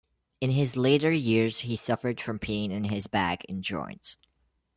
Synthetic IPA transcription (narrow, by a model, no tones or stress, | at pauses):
ɨ̃nɪzleɪɾə˞jɪɹz̥hisʌfə˞d̥fɹʌ̃mpʰẽɪɪ̃nɨ̃nɪzbæɡɨ̰̃nd͡ʒɔ̰̃ɪ̃nt